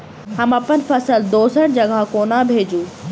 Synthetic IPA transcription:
ɦɐmɐpənfɐsəld̪oːsəʈ̚d͡ʑɐɡʱakoːnabʱeːd͡ʑuː

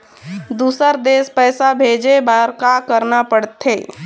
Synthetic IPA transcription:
d̪uːsəɾd̪eːspɛːsabʱeːd͡ʒebaɾkakəɾnapəɽt̪ʰːeː

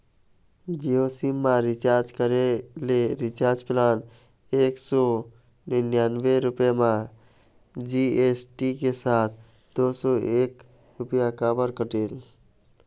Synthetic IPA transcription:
d͡ʒiosimːãɾɪt͡ʃaːɾd͡ʒkəɾeleɾɪt͡ʃaːɾd͡ʒplaːn | eːksɔ | nɪnjanbeɾʊpjemã | d͡ʒiesʈikesaːt̪̚ʰ | d̪oːsɔeːk | ɾʊpjakaːbəɾkəʈeːl

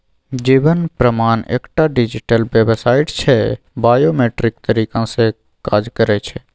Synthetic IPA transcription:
d͡ʒiːʋənpɾəmaːnḛːkʈaɖɪd͡ʒɪʈəlʋeːbsaːɪʈt͡ʃʰɛ | baːjoːmeːʈɾɪk̚t̪əɾiːkãse | kaːd͡ʒkəɾɛt͡ʃʰɛ

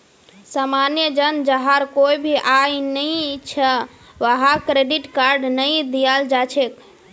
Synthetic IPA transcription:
samanjəd͡ʒənd͡ʒəɦaɾkoibʱiʔajnəjt͡ʃʰə | ʋəɦakɾeɖiʈkaɾɖnəjd̪ijald͡ʒat͡ʃʰek

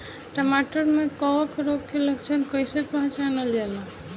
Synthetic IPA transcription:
ʈəmaʈəɾmekɔɔkɾoɡ̚keləkt͡ʃʰənkəjsepãɦt͡ʃanəld͡ʒalã

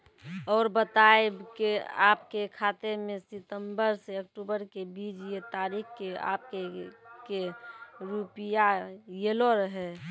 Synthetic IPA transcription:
ɔːɾbət̪aebkeaːpkekʰaːt̪emẽsɪt̪ə̃mbəɾseəkʈubəɾkebiːd͡ʒjet̪aːɾiːkkea̰ːpkekeɾupijajeːloɾəɦɛ

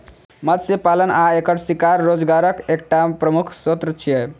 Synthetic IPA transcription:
məd̪sepalənaekəʈsikaɾːod͡zɡaɾəkek̚ʈapɾəmukʰsot̪ɾət͡ʃʰije

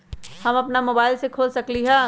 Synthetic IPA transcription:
hɐmɐpnamoːbaːɪlsekʰoːlsɐkliɦɛː

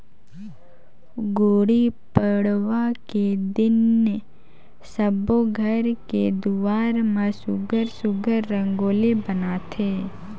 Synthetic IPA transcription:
ɡoːɽipəɽʋaked̪ɪnːe | səboɡʱəɾked̪uʋaːɾmãsʊɡəɾsʊɡəɾːə̃ŋɡoːlibənaːt̪ʰe

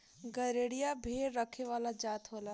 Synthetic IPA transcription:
ɡəɾeːɽijabʱeːɾɾəkʰeʋaːlad͡ʒaːt̪ɦoːla

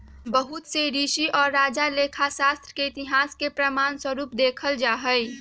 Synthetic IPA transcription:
bəɦʊt̪seɾiːʃiʔɔːɾːaːd͡ʒaleːkʰaʃaːst̪ɾəkeɪt̪ɪɦaːskepɾəmaːnswəɾuːp̚d̪eːkʰəld͡ʒaːɦəi

